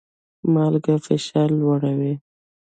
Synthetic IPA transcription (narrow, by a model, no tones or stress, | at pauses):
mɑlɡafɪʃɑlːwaɽawi